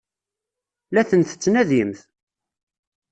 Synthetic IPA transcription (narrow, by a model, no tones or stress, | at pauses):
læθənθə̥t͡sːnæðimθ